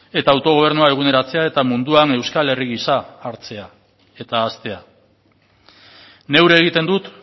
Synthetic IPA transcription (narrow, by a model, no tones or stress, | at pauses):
e̞t̪aːwt̪o̞ɣ̞o̞β̞e̞ɾnuae̞ɣ̞une̞ɾat͡se̞ae̞t̪amund̪uane̞wskale̞riɣisaːɾt͡se̞a | e̞t̪aːst̪e̞a | ne̞wɾe̞ːɣ̞it̪e̞nd̪ut̪